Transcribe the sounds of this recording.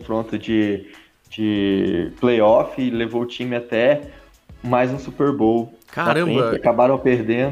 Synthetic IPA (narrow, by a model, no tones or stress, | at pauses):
fɾõt̪ʊd͡ʒɪ | d͡ʒɪplejɔfɪlevowʊt͡ʃĩmɪat̪ɛ | majzũsupeɾbowkaaɾɐ̃sẽbjkɪakabaɾɐ̃w̃peɾd̪ẽd̪ʊ